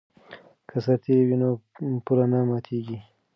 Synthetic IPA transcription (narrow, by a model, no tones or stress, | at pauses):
kʰəsaɾt̪ewinopuɾanamat̪ʰeɡi